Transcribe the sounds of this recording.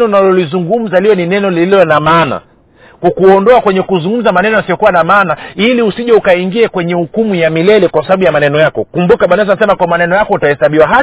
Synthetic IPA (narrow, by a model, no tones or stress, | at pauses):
nɔunalɔlizuŋɡum̩zaliwɛninɛnɔlililɔnamana̰ | kukuɔndɔakwɛɲɛkuzuŋɡum̩zamanɛnɔjasijɔkuwanamanailiusiʄaukaiŋɡiakwɛɲɛhukumujamilɛlɛkwasaɓaɓujamanɛnɔjakɔkumbukaɓanɛs̬anasɛmakwamanɛnɔjakɔutahɛsaɓiwaɦa